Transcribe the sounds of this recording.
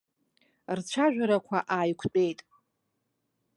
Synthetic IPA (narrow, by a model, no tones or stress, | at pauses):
rt͡ʃʷʰaʒᶣaɾakʷʰaʔaːjkʷʰtʼe̞jtʼ